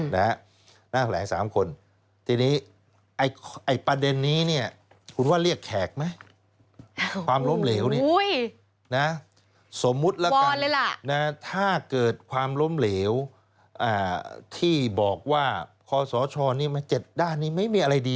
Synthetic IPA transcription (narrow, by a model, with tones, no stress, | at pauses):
na˦˥ | naː˥˩t̪ʰlɛː˩˦ŋsa̰ː˩˦mkʰo˧n | t̪ʰiː˧niː˦˥ | ʔa˧˩jʔa˧˩jpa˧de˧nːiː˦˥ni˥˩ɐ | kʰu˧nwaː˥˩ɾi˥˩əkʰːɛː˨˩k̚ma˦˥j | kwaː˧mlo˦˥mleː˩˦wni˥˩j | na˦˥ | so˩˦mːu˦˥t̪̚lɛ˦˥˦lːla˨˩na˦˥t̪ʰaː˥˩kɤː˨˩t̪̚kʰwaː˧mlo˦˥mleː˩˦w | ʔaː˧˩t̪ʰiː˥˩bɔː˨˩k̚waː˥˩kʰɔː˧sɔː˩˦t͡ɕʰɔː˧niː˥˩ɐma˧t͡ɕe˨˩t̪̚daː˥˩nːiː˦˥˩ma˥˩jmiː˧ʔa˧ɾa˧jdiː˧